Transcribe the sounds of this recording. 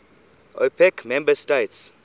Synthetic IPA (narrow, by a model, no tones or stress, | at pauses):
ʔopʰɛkmɛ̃mbəsteɪts